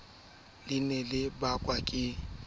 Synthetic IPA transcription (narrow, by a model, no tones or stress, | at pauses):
lɪnɛlɪbakʼwakʼɪ